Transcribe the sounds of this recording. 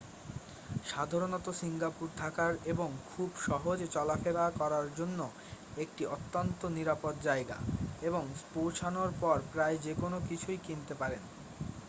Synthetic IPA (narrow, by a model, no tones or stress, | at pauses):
ʃad̪ʱaɾonɔt̪osiŋɡapuɾt̪ʰakaɾeboŋkʰubʃɔɦod͡ʑt͡ɕɔlafed̪akɔɾaɾd͡ʑonːo | ek̚ʈiʔot̪ːont̪oniɾapot̪̚d͡ʑaeɡa̰eboŋpowt͡ɕʰanoɾpɔɾpɾaed͡ʑekonokit͡ɕʰujkint̪epaɾen